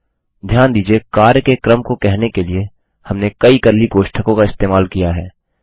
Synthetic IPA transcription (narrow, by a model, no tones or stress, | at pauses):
d̪ʱjaːnd̪iːd͡ʒiekaːɾjəkekɾəmkokɛɦnekelie | hɐmnekɐikəɾlːikoːʃʈʰəkõkaɪst̪eːmaːlkijaɦɛː